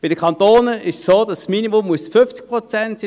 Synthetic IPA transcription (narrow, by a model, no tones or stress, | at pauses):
b̥ɪd̥əkʰχɑntoːnəɪʃsoːdɑsːminimʊmːuəsfʏft͡sk̚pʁɔt͡sɛntsi